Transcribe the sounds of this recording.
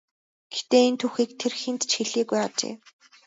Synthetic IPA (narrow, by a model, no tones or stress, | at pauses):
ɡ̥e̥t̪eːint̪ʰuxiːk̚t̪ʰerxint̪t͡ɕxeɮiːɡujat͡ɕḛː